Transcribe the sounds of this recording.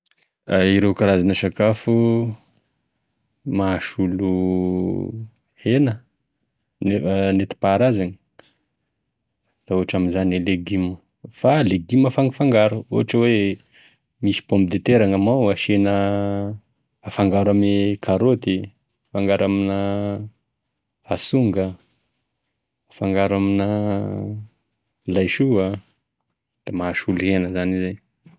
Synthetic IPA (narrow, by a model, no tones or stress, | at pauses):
aiɾewkaɾazanəʃakafu | maaʃulu | henə | nnet̪i̥paːɾazani̥ | d̪̥aoaʈ͡ʂaminzaneleɡimə | faleɡiməfaŋafaŋɡaɾuo̰aʈ͡ʂəwe | misi̥põmbid̪et̪eɾaŋamawaʃenə | afaŋɡaɾamikʰaɾot̪i | faŋɡaɾaminə | asuŋɡə | faŋɡaɾaminə | lajʃua | d̪̥amaʃulenəzanizan